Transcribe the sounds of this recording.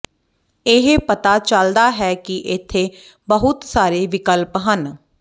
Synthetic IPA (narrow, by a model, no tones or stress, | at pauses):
ɪɦpət̪aːt͡ʃəld̪aːɦɛːkiʔɪt̪ʰːeː | bəɦʊt̪saːɾeːʋɪkəlpɦən